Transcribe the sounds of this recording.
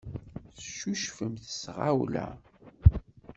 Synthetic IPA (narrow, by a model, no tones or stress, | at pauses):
θʃuʃfəmθə̥sʁawlæ̰